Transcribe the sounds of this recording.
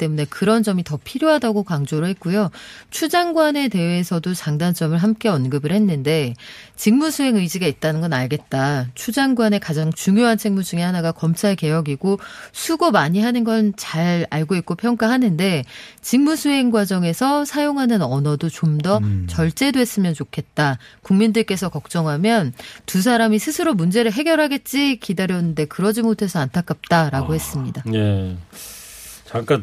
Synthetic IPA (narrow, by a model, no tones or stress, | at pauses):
it͈e̞mune̞kɯɾʌnd͡ʑʌmitʌpʰiɾjoɦadaɡokaŋd͡ʑoɾɯɭɦe̞t̚k͈ujot͡ɕʰud͡ʑaŋɡwane̞te̞wesʰʌdot͡ɕaŋdant͡ɕ͈ʌmɯɭɦamk͈e̞ʌnɡɯbɯɭhe̞nːɯnde̞t͡ɕiŋmusʰuɦe̞ŋɯid͡ʑiɡait̚t͈anɯnɡʌnaɭɡe̞t̚t͈at͡ɕʰud͡ʑaŋɡwane̞kad͡ʑaŋt͡ɕuŋjoɦant͡ɕʰiŋmud͡ʑuŋehanaɡakʌmt͡ɕʰaɭke̞jʌɡiɡosʰuɡomaɲiɦanɯnɡʌnt͡ɕaɭaɭɡoit̚k͈opʰjʌŋk͈aɦanɯnde̞ | t͡ɕiŋmusʰuɦe̞ŋɡwad͡ʑʌŋe̞sʰʌsʰajoŋɦanɯnʌnʌdot͡ɕomdʌt͡ɕʌɭt͡ɕ͈e̞doe̞s͈ɯmjʌnt͡ɕokʰe̞t̚t͈akuŋmindɯɭk͈e̞sʰʌkʌk̚t͡ɕ͈ʌŋɦamjʌntus̬ʰaɾamisʰɯsʰɯɾomund͡ʑe̞ɾɯɭɦe̞ɡjʌɾɦaɡe̞t̚t͡ɕ͈ikidaɾjʌnːɯnde̞kɯɾʌd͡ʑimotʰe̞sʰʌantʰak͈ap̚t͈aɾaɡohe̞s͈ɯmɲidaje | t͡ɕaŋk͈an